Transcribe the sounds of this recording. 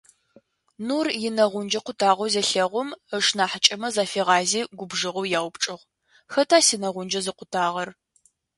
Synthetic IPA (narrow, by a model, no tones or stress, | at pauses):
nuːrjɪnɐʁʷʊnd͡ʒɐqʷʊtʰaːʁʷowzɐɬɐʁʷʊməʂnaːħət͡ʃʼɐmɐzaːfeːʁɑːziːɡʷʊbʐɨʁʊwjaːwpʈ͡ʂʼɨʁ | xɐtʰaːsiːnɐʁʷʊnd͡ʒɐzɨqʷʊtʰaːʁɐr